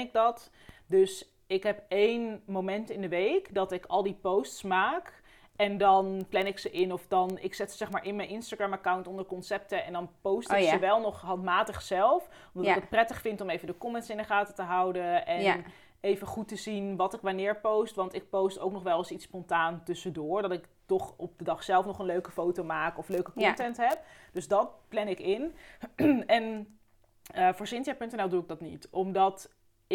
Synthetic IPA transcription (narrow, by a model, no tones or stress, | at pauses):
ɪk̚dɑt | døs | ɪkɦɛpejnmomɛntɪndəʋejkdɑtɪkɑlˠdipowstsmaːk | ɛndɑnplɛnɪksəʔɪnɔfdɑnɪksɛtsə̥zɛχmaːɹʔɪnmɛjnɪnstaɡɹamakawntɔndəɹkɔnsɛp̚təɛndɑnpowsttksəʋɛlˠnɔχɦɑntmaːtəχsɛlˠf | ɔmdɑtɪkət̚prɛtəχfɪntɔmejvəndəkɔmɛntsɪndəχaːtətəɦʌwdəɛ | ejvəχutəzinʋɑtɪkʋanɪːɹpowstʋɑntɪk̚powsto̰wknɔχʋɛlˠɑsitspɔntaːntɵsədʊːɹdɑtɪktɔχɔp̚dədɑχsɛlˠfnɔχənløɥkəfowtomaːkɔfløɥkəkɔntɛntɦɛp̚d̥ɵzdɑt̚plɛnɪkɪn | ɛn | əfʊːɹsɪntjapɵntɛnɛlˠduɪɡ̚dɑtnḭtɔmdɑt | ɪ